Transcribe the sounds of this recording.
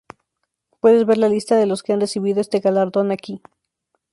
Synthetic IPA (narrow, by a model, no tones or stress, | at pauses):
pwe̞ðe̞zβe̞ɾlalist̪aðe̞lo̞ske̞anre̞siβ̞iðo̞e̞st̪e̞ɣalaɾðo̞naki